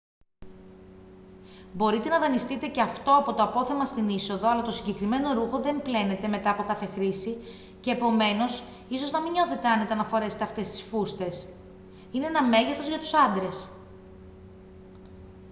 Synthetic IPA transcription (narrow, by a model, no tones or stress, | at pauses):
bo̞ɾit̪e̞nɐðɐnist̪it̪e̞ce̞ɐft̪o̞ɐpo̞t̪oɐpo̞θe̞mɐst̪iniso̞ðo̞ɐlɐt̪o̞siɲɟe̞kɾime̞no̞ɾuxo̞ðe̞mple̞ne̞t̪e̞me̞t̪ɐːpo̞kɐθe̞xɾisi | ce̞ːpo̞me̞no̞s | iso̞znɐmiɲo̞θe̞t̪e̞ɐnet̪eɐnɐfo̞ɾe̞set̪eɐft̪e̞st̪i̥sfust̪e̞s | ineenɐme̞ʝeθo̞zʝɐt̪u̥sɐnd̪ɾe̞s